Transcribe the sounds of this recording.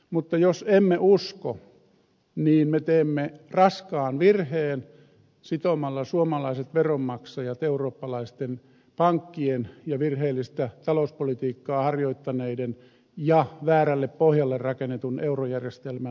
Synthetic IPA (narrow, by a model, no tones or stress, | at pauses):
mut̪ːɑjosemːeʔusko | niːnmet̪eːmːerɑskɑːnʋirheːn | sit̪omɑlːɑsuomɑlɑiset̪ʋeromːɑksɑjɑt̪euroːpːɑlɑist̪en | pɑŋkːienjɑʋirheːlːist̪æt̪ɑlouspolit̪iːkːɑːhɑrjoit̪ːɑneiden | jɑʋæːrælːeppohjɑlːerrɑkenet̪uneurojærjest̪elmæ